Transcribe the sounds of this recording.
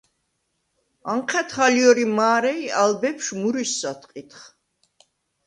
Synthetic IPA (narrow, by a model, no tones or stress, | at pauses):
aɴqʰɛt̪ʰχaliɔɾimaːɾɛialbɛpʃmuɾisːat̪ʼqʼit̪χ